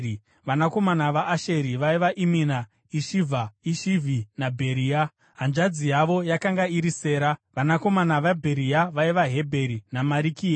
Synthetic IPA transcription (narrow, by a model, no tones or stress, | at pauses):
ʋanako̞manaʋaʔːʃe̞ɾiʋaiʋaʔimina | iʃivʱaiʃivʱinabʱe̞ɾiːa | ɦand͡ʒad͡zijaʋo̞jakaŋɡaiɾise̞ːɾaʋanako̞manaʋabʱe̞ɾijaʋaiʋaɦe̞bʱe̞ɾinamaɾikiːa